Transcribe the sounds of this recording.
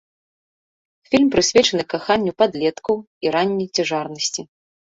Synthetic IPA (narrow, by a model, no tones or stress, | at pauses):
fʲilʲmpɾɨsʲvʲɛt͡ʂɐnɨkaxanʲːupad̪lʲɛt̪kɐw | iɾanʲːɐjt͡sʲaʐarnɐsʲt͡sʲi